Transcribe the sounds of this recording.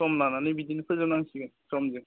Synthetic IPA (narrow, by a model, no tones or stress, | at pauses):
ɔmnananɯbidinipʰɯzɯnaŋsiɡɯsɔmzi